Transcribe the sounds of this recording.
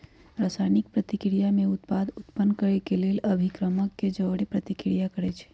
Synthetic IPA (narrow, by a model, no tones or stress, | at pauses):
ɾasajnik̚pɾət̪ikɾijameut̪pad̪ut̪pənːkəɾɛkeleləbʱikɾəməkːed͡ʒəʋɽipɾət̪ikɾijakəɾɛt͡ʃʰɛ̥